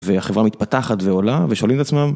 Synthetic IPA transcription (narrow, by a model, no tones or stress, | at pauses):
veaχevʁamit̪̚pat̪aχat̪ve̞o̞laveʃolimt̪at͡smam